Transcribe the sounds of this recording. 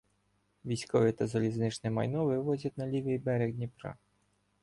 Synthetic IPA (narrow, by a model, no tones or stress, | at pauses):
ʋʲijsʲkɔʋʲit̪ɐzɐlʲiznɪt͡ʃnɛmɐ̰jnɔʋɪʋɔzʲɐt̪ʲnɐlʲiʋʲɪjbɛɾeɣnʲipɾɑ̰